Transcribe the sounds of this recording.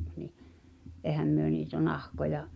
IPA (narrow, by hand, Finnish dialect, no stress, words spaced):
ni ʔeˑhæm myø niːtæ nɑhkojɑ